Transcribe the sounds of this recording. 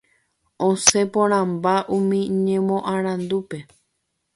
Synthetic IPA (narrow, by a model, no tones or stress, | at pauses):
õse̞põɾ̃ãmbaʔũmĩɲẽmõʔãɾ̃ãnd̪upe̞